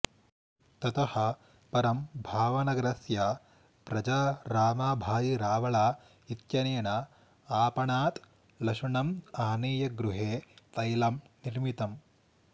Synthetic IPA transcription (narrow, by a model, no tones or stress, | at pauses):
t̪ɐt̪ɐhɐ̆ | pɐɾɐmbʱaːʋɐnɐɡɾɐsja | pɾɐd͡ʒaːɾaːmaːbʱaːd̪iɾaːʋɐɭaː | it̪jɐneːɳɐ | aːpɐɳaːt̪ | lɐʂuɳɐmaːneːjɐɡɾuɦeːt̪ɐjlɐmniɾmit̪ɐm